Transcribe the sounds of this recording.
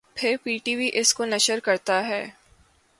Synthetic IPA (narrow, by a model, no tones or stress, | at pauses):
pʰɪɾpiːʈiːʋiʔɪskonɐʃəɾkɐɾt̪aɦɛː